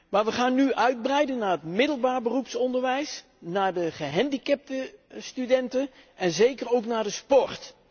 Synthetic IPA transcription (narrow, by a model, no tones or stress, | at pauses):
maːɹʋəχaːnːyʔœɥd̚brɛjdənːaːɹətmɪdəlˠbaːɹbərupsɔndəɹʋɛjs | naːɹdəχəɦɛndikɛp̚təstydɛntən | ɛnzejkərowknaːɹdəspɔɹt